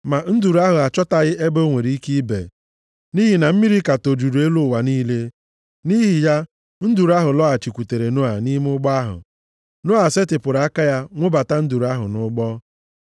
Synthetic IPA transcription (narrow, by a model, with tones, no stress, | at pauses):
ma˨n̩˦du˨ɾa˦ɦʊ˨a˨t͡ʃɔ˦ta˨ɣɪ˦ʔe˦bo˦ŋʷe˨ɾi˨˦i˦ki˦bḛ˨ | ni˦ɦi˨na˨m̩˦mi˦ɾi˦ka˨to˨du˨ɾu˨e˦lʊ˦˨wa˨niː˦le˦ | ni˦ɦi˨ja˦ | n̩˦du˨ɾa˦ɦʊ˨lɔ˦a˨t͡ʃi˨kʷu˨te˨ɾe˨no˦a˨ni˦m˦ʊ˦ɡ͡bɔ˦a˦ɦʊ̰˨ | nʊ˦a˨se˦tɪ˨pʊ˨ɾa˦ka˦ja˦ŋʷʊ˦ba˨ta˦n̩˦du˨ɾu˨˦a˦ɦʊ̰˨nʊ˦ɡ͡bɔ˦